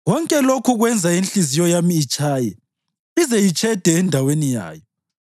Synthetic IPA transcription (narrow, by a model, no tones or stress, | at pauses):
ɣɔŋkʼɛlokʰuɣwɛnd͡zʱainɬizijɔjamiːt͡ʃʼaːjɛ | izɛjit͡ʃʼʰɛd̥ʱɛːndʱawenija̰ːjɔ